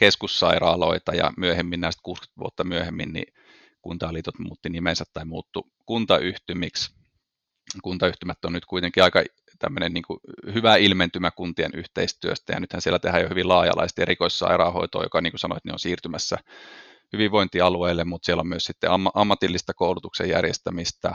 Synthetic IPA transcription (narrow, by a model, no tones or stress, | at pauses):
keskusːɑirɑːloit̪ɑjɑ̰myøhemːinnæist̪kuːsky̥t̪ʋṵot̪ːɑmyøhemːḭnnḭ | kunt̪ɑːliːt̪ot̪mṵːt̪ːinimensæt̪t̪ːɑimuːt̪ːu | kunt̪ɑʔyht̪ymiks | kunt̪ɑyht̪ymæt̪ːonnyt̪kuit̪eŋkiɑikɑ | t̪æ̰mːønenniːŋkuhyʋæilment̪ymækunt̪ienyht̪eist̪yø̰st̪æjɑ̰nyt̪hænsielæt̪ehæjohyʋilɑːjɑ̰lɑ̰ise̥t̪erikoissɑ̰irɑho̰it̪o̰ːjo̰kɑniːŋkusɑno̰et̪neo̰nsiːrt̪ymæsːæ̰ | hyʋiʋʋoint̪iɑlueilːemmut̪sielːommyøssit̪ːḛɑmːɑʔɑmːɑt̪ilːist̪ɑkoulut̪uksḛjjæ̰rjḛst̪æmist̪æ